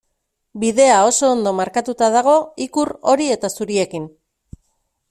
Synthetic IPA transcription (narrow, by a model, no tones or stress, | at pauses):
biðe̞ao̞so̞ːnd̪o̞maɾkat̪ut̪að̞aɣ̞o̞ikuɾo̞ɾie̞t̪asuɾie̞kin